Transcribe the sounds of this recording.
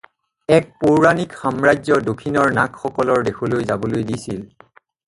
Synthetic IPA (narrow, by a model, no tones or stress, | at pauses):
ɛk̚poɹɹanikxamɹajzɔdokʰinɔɹnakxɔkɔlɔɹdexolojzabɔlojdisil